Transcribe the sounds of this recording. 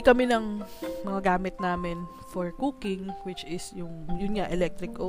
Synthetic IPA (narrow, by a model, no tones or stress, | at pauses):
kɐmɛnɐŋmɐŋɐɡaːmɪt̪̚naːmɪn | fɔɹkuːkɪŋwɪt͡ʃɪsjʊŋjʊnŋaʔɛlɛk̚t̪ɾɪkʔo